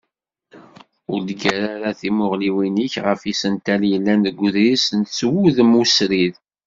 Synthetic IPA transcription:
ʊɾd̪ɡæɾaɾaθimʊʁliwiniçʁəfisənt̪æljəlːænðəɡʷːʊðɾisənt̪swuðmusɾið

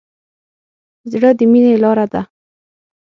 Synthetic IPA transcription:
zɽəd̪əminelɑɾad̪a

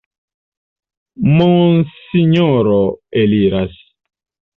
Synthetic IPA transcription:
monsiɲoɾoeliɾas

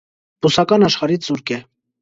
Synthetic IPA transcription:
busɑkɑnɑʃχɑɾit͡suɾkɛ

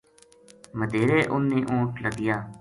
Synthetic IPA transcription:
məd̪eːɾeːʔʊnːeːʔõːʈləɡɪjaː

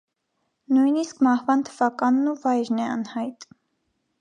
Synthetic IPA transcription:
nujniskmɑhvɑnt̪ʰəvɑkɑnːuvɑjɾnɛɑ̰nhɑjt̪

